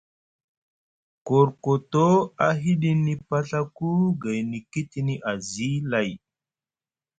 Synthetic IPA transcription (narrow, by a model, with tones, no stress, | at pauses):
ko˨ɾko˨to˦a˨ɦi˦ɗi˦ni˨pa˦ɬa˦ku˦ɡa˨jni˨ki˦ti˨ni˦ʔa˨zi˦la˨j